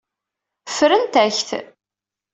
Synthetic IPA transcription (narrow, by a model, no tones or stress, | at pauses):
fɾənt̪æçθ